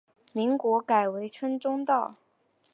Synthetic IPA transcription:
mi˧˥ŋkwɔ˧˥ka˨˩ɪwe˧˥ɪʈ͡ʂʰə˥nʈ͡ʂʊ˥ŋt̪ɑ˥˩ʊ

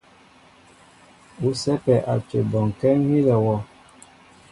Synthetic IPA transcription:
u˨˦sɛ˦pɛ˨ʔa˨t͡ʃḛ˨bɔ˨ŋ˨kɛ˦ŋ˦hi˦lɛ˨wɔ˦

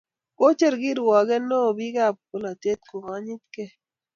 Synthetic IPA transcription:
ko˦t͡ʃe˦˨ɾɡi˦ɾwɔ˨ɡɛ˦no˦˨bi˦ɡa˦˨p̚ko˨la˨te˦t̚ko˨ŋa˦ɲi˦t̪̚ke˦

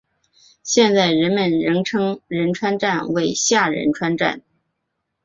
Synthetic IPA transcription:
ɕjɛ˥˧nt͡sa˥˩ɪɻə˧˥nmə˧˩nɻə˧˥nʈ͡ʂʰɤ˥ŋɻə˧˥nʈ͡ʂʰwa˥nʈ͡ʂa˥˩nwe˥˩ɪɕja˥˩ɻə̰˧˥nʈ͡ʂʰwa˥nʈ͡ʂa̰˥˩n

